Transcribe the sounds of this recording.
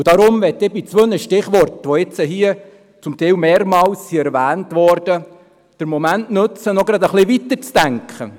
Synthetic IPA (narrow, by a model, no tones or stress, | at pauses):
ud̥ɑɾʊmʋɛt̪ːɪbit͡sʋønəʃtɪχʋɔrtʋɔɪt͡səɦiːə | t͡sʊmt̪ɛɪwmeːɾmɑːlssiæɾʋæːntʋɔɾd̥ə | d̥əɾmɔmæntnɵt͡sənɔɡɾɑd̪əχlɪʋit̪əɾt͡sd̥æŋkχə̰